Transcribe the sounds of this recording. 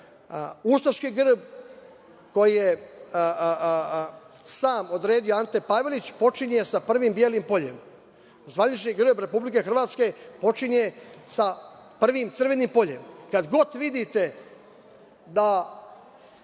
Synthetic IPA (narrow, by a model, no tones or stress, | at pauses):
ust̪aʃkiɡr̩b | ko̞jije | saːmo̞d̪ɾe̞ːd̪ioant̪epaʋelit͡ɕpo̞t͡ʂiɲesapr̩ʋimbjeːlimpo̞ʎe̞̰m | zʋanit͡ʃɲiɡr̩bɾe̞publike̞xr̩ʋaːt̪ske̞po̞t͡ʂiɲesapr̩ʋimt̪sɨr̩ʋe̞nimpo̞ʎe̞̰mkad̪ɡo̞t̪ʋid̪it̪e̞ | d̪a